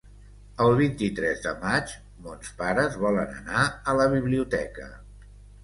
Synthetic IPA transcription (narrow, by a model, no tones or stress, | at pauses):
əlˠβ̞int̪it̪ɾɛzðəmad͡ʒ | mɔnspaɾəzβɔlənə̰naələβiβliut̪ɛ̰kə̰